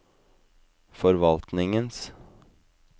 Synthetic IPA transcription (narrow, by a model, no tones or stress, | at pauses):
fɔɾʋɑlt̪nɪŋəns